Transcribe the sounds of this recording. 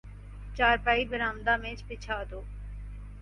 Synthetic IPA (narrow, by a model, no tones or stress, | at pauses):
t͡ʃaːɾpaːibəɾãːmd̪aːmẽːt͡ʃpɪt͡ʃʰaːd̪oː